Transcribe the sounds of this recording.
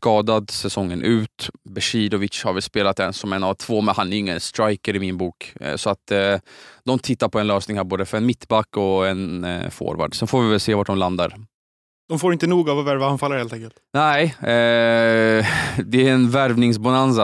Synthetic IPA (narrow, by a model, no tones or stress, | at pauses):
skɑːd̪ad̪sɛsɔŋːənʔʉ̟ːt̪bɛʂiːd̪ɔvɪtʂhaɾvɛlspeːlat̪̚ɛnsɔmɛnavt̪ʰvoːmɛnhanæɾɪŋːənst̪ɾajkəɾɪmɪnbuːksɔat̪ː | d̪ɔmt̪ʰɪt̪ːaɾpʰɔɛnløːsnɪŋhæːɾboːd̪əfœɾɛnmɪt̪ːbakːɔɛnfo̰ːɾva̰ɖsɛnfoːvɪvɛlseːvaʈ̚ɖɔmland̪aɾ | d̪̥ɔmfoːɾɪnt̪ənuːɡavavæɾvahanfalːəɾheːlt̪ɛŋkəlt̪nɛɪ | d̪ɛæɾɛnvæɾvnɪŋs̬banansa